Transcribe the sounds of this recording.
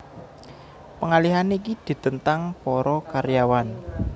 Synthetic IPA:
pəŋaliɦaneikid̪̥i̤t̪ənt̪aŋpɔɾɔkaɾjawan

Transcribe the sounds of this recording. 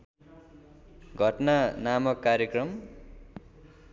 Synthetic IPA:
ɡʱʌʈnanamʌkːaɾjʌkrʌm

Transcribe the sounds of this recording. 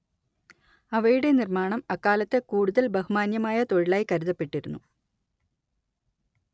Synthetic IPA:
ɐʋɐjuɽe̞nirmaːɳɐmɐkːaːlɐt̪ːekuːɽuðɐlbɐɦumaːnjɐmaːjɐt̪o̞ɻiɭaːjkɐɾuðɐpːe̞ʈːiɾunːu

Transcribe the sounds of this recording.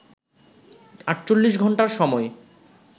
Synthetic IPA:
aʈːt͡ɕolːiʃɡʱɔɳʈaɾʃɔmɔe

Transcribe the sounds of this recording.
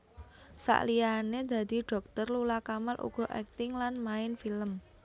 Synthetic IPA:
sa̰ʔlianed̪̥ä̤d̪̥i̤ɖ̥ɔ̤k̚t̪ərlulakamalʔṵɡ̥ɔ̤ʔɛ̰k̚t̪ɪŋlanmaɪnfiləm

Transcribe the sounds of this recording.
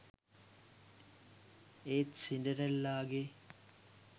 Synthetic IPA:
eːt̪sindəɾɐlːaːɡe

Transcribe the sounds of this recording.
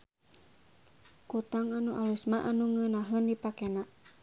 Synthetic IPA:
kut̪aŋanuʔalusmaʔanuŋənaɦəndipakena

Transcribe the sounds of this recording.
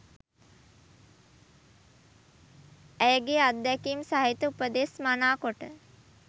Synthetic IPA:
æjəɡead̪d̪ɛkiːmsaɦit̪əupəd̪esmanaːkoʈə

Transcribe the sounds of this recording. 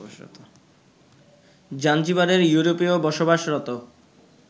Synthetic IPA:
t̪ | d͡ʑand͡ʑibaɾeɾjuɾopiobɔʃobaʃɾɔt̪o

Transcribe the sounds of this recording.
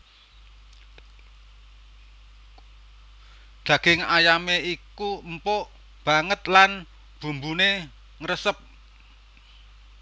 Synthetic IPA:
d̪̥ä̤ɡ̥ɪŋajameikumpɔʔ | b̥a̤ŋət̪lan | b̥ṳmbune | ŋəɾəsəp̚

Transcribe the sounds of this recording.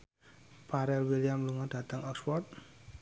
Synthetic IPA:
pʰaɾelwilijamluŋadʱat̪əŋʌkswɔt̪̚

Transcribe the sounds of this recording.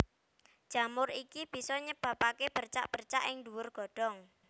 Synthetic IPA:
d̥ʒ̥a̤mʊrikib̥i̤sɔɲəb̥a̤pakeb̥ərt͡ʃa̰ʔb̥ərt͡ʃa̰ʔɪŋduwʊrɡ̥ɔ̤ɖ̥ɔ̤ŋ

